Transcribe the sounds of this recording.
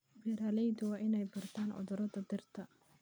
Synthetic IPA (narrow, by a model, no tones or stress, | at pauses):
bɛɾaːlɛjd̪ʊwɑːʔɪnɛjbɐrt̪ʰaːnʔɔ̰ðʊɾɐðɐd̪ɪrt̪ʰɐ